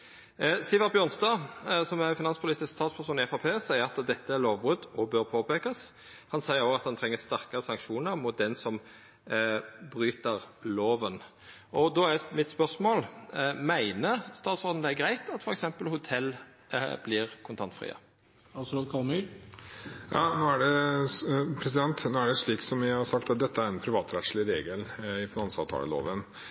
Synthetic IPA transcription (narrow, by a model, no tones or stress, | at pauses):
sɪːʋɑʁbjøːɾʁnst̪ɑːsɔmæfɪnɑnspʰʊliːt̪ɪskst̪ɑːt̪spʰæʁsuːnɪɛfɑpʰeːsæɪəɾɑt̪d̪ɛt̪ːəæɾloːʋbʁʉd̪ɔbøːɾpʰoːpʰeːkɑs | hɑnsæɪəɾoːɑt̪̚d̪ɑnt̪ʰɾɛŋːəsst̪æʁkəʁəsɑŋkʃuːnəʁmʊt̪̚d̪ɛnsɔm | bɾyːt̪əʁloːʋən | ʔɔd̪oːæmɪt̪spœʁsmoːlmæɪnəst̪ɑːt̪sɔɾd̪n̩d̪ɛæɡɾæɪt̪ʰɑt̪fɔɾɛksɛmpəlhʊt̪ʰɛl̰ː | blɪɾkʰʊnt̪ʰɑnt̪fɾḭːə̰ | ɑsokʰɑlmi | jɑ̰ːnoːæɖɛ | pʰɾɛs̬ɪd̪ɛnt̪noːæɖɛʂɭiːksɔmjæhɑsɑk̚t̪ɑt̪̚d̪ɛt̪ːəæɾɛnpʰɾɪʋɑːt̪ɾɛt̪slɪɾeːɡəlɪfɪnɑnsɑ̰ʋt̪ʰɑ̰ːlə̰lo̰ːʋən